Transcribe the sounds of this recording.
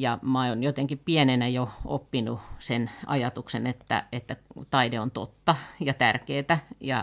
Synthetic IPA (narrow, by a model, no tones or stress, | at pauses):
jɑmɑonjot̪eŋkippienenæjoo̰pːinusenʔɑ̰jɑt̪uksenet̪ːæ̰et̪ːæt̪ɑideont̪o̰t̪ːɑjɑt̪ærkeːt̪æjɑ